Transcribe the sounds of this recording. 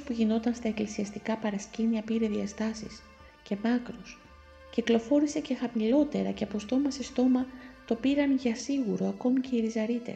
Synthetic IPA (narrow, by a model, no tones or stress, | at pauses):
spuʝino̞t̪ɐnst̪ɐe̞klisiɐst̪ikɐpɐɾɐsciniɐpiɾe̞ðiɐst̪ɐsḭs | ce̞mɐkɾus | ciklo̞fo̞ɾise̞ce̞xɐmilo̞t̪e̞ɾɐ̰ceɐpo̞st̪o̞mɐse̞st̪o̞mɐt̪o̞piɾɐnʝɐsiɣuɾo̞ɐko̞mice̞iɾizɐɾit̪e̞̰s